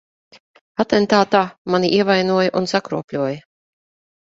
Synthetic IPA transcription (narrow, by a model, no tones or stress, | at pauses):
at̪ɛnt̪aːt̪aːmaniʔiɛvajnuɔjaʔunsakɾuɔpʲlʲuɔjɐ